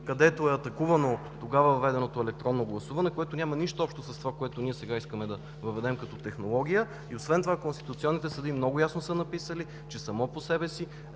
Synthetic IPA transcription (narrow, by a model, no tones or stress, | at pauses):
kɐd̪ɛt̪oɛɐt̪ɐkuvɐno | t̪oɡavɐvɐvɛd̪ɛnot̪oɛlɛk̚t̪ɾɔnːoɡlˠɐsuvɐnɛkoɛt̪onʲamɐniʃt̪oɔpʃt̪osɐst̪ovakoɛt̪oniɛsɛɡaiskəmɛd̪ɐ | vɐvɛd̪ɛmkɐt̪ɔt̪ɛxnolˠɔɡ̟ʲijə | iosvɛnt̪ovakonst̪it̪ʊt̪siɔnːit̪ɛsəd̪imnɔɡʊjasnosənɐpisəli | t͡ʃɛsɐmɔposɛbɛsi